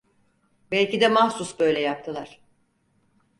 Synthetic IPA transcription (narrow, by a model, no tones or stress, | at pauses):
bɛlʲcid̪ɛmahsusbø̞jlʲɛjap̚t̪ʰɯlˠaɾ̝̥